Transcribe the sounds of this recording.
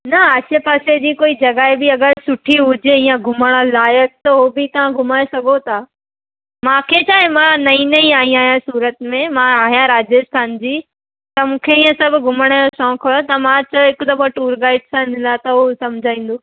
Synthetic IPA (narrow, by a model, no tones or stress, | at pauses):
nɐɐt͡ɕepaːsed͡ʑiːkoːid͡ʑɐɡaːebɪɐɡəɾsʊʈʰiɦʊd͡ʑeĩːãɡʱʊməɽ̃alaːjək̚t̪ɐɦobɪt̪ɐʋ̤ãɡʱʊmaːesɐɡʱot̪ʰaː | mãːkʰet͡ɕʰaːɦemãnɐĩnɐĩaːɦĩaːɦijãsuːɾət̪mẽmãaːɦjãɾaːd͡ʑjəst̪ʰaːnd͡ʑiː | t̪ɐmũːkʰeĩːə̃sɐbʱʊɡʱʊməɽ̃əjoʃɔ̃ːkʰːt̪ɐmãt͡ɕɐɪkʊd̪ɐboʈuːɾɡaːɪɖsãnɪlat̪ɐosɐmd͡ʑʱaːĩːn̆d̪oː